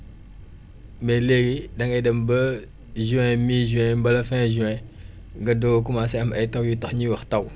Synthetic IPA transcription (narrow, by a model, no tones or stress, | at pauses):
meleɡidɐŋajdɐmbə | ʒuɛ̃miʒuɛ̃mbɐlɐfɛ̃ʒuɛ̃ | ŋɡɐdoɡokumasɛɐmɐjtawjutɐxɲiwɐxtaw